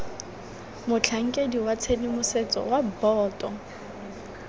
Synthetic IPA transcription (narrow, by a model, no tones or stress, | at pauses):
mʊt͡ɬʰaŋ̩kʼediwat͡sʰedimʊset͡sʼɔ̰wabɔːtʼɔ